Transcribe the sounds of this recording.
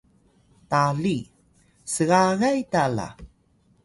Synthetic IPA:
taɮi | səɣaɣajtala̰

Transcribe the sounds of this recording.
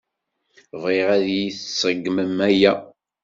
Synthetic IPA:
viʁæðjiθsəɡːməmæjæ

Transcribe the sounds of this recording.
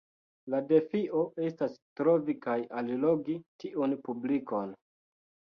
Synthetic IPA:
lade̞fiʔo̞e̞stastɾo̞vikajalilo̞ɡitiʔunpubliko̞n

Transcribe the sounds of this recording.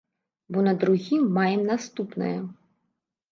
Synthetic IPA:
bɔnɐd̪ɾuɣʲimːajɛmnast̪upnɨ̰jɐ

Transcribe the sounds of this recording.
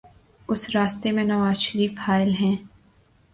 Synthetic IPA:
ʊsɾaːst̪emẽnɐʋaːzʃəɾiːfhaːɪlɦɛ̃ː

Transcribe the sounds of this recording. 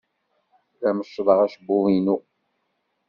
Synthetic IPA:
ɾæməʃːðˤəʁæʃbuinu

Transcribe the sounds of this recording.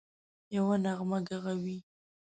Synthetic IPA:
jawanaɣmaɡaɣawi

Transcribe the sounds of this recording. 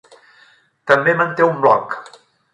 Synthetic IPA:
t̪əmbemənt̪eumblɔk

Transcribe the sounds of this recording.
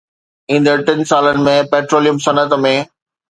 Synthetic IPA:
ĩːn̆d̪əʈɪnsaːlənɪ̆mẽpeːʈɾoːlijəmsɐnət̪mẽ

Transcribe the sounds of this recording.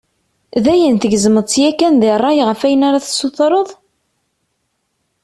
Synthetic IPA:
ðæjənθəɡzəməðˤt͡sjækːænðɪrˤːɑjʁəfæjənaɾaθəsuθɾˤəðˤ

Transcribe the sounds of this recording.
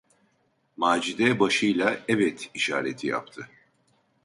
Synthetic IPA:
maːd͡ʒid̪ɛbaʃɯjlˠaɛvɛt̪iʃa̰ːɾet̪ʰija̰p̚t̪ʰɯ

